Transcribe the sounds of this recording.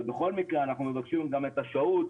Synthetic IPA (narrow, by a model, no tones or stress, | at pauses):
beχo̞lmikʁeanaχnumevakʃimɡame̞t̪aʃaut̪